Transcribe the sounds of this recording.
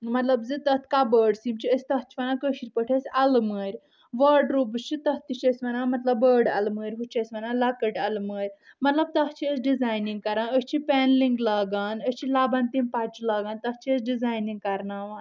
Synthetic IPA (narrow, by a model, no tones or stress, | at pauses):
mɐt̪lɐbzɨt̪ɐt̪ʰkabəɖsimt͡ʃʰiəsʲt̪ɐɦt͡ʃʰi̥ʋɐnakəʃiɾʲpəʈʰesʲɐlməɾʲ | ʋəɾɖɾub̬ɨst͡ʃʰit̪ɐht̪it͡ʃʰesʋɐnamɐt̪lɐbːəːɖɐ̰lməːɾʲɦut͡ʃʰesʲʋɐnalɐkəʈɐlməːɾʲmɐt̪lɐb̚t̪ɐht͡ʃʰiəsɖizaːjnĩŋɡ̚kɐɾãnəsʲt͡ʃʰipɛnliŋɡlaːɡaːnəsʲt͡ʃʰilaːbɐnt̪impat͡ʃilaːɡaːnt̪ɐht͡ʃʰiəsɖizaːjnĩŋɡ̚kɐɾnaːʋa